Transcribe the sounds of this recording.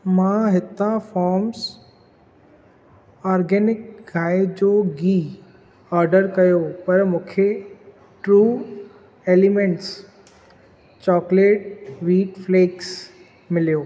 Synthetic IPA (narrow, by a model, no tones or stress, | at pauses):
mãɦɪt̪ãfɔːɾms | aːɾɡɛːnɪk̚ɡʱaːed͡ʑoːɡiː | aːɾɖəɾkɐjopɐɾmũːkʰe | ʈɾuː | eːlɪmẽɳʈs | t͡ɕɔːkleːʈʋiːʈfleːks | mɪlijoː